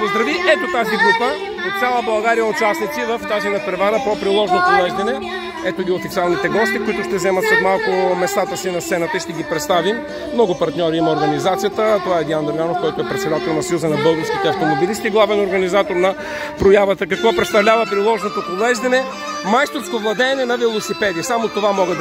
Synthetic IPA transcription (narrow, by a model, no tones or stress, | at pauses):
pozd̪ɾɐviʔɛt̪ot̪aziɡɾupə | ot̪t̪sʲalˠəbɐlˠɡaɾijəʊt͡ʃasnit̪sivəft̪aʒɛnɐpɾɛvaɾəpɾopɾilˠɔʒnopolɛʒd̪ɐnɛ | ɛt̪oɡ̪iofit̪sialˠnit̪ɛɡɔst̪ikʊit̪ʊʃt̪ɛzɛmɐt̪sot̪malˠkʊmɛst̪at̪əsinɐst̪sɛnət̪əiʃt̪ɛɡʲipɾɛt̪st̪avim | mnɔɡʊpɐɾt̪nʲɔɾiimɐoɾɡɐnizat̪sijət̪ət̪ovaɛd̪iand̪ɐɾɡanofkɔjt̪ʊɛpɾɛt̪sɛd̪at̪ɛlˠnɐsɐjuzənɐbɤlˠɡəɾskʲit̪ɛɐft̪omobilist̪iːɡlˠavɛnoɾɡɐnizat̪oɾnɐ | pɾojavət̪əkɐkvɔpɾɛt̪st̪ɐvlʲavɐpɾilˠɔʒnot̪opolɛʒd̪ɐnɛ | majst̪oɾskovlˠɐd̪ɛːnɛnɐvɛlˠosipɛd̪iəsamot̪ovamɔɡəd̪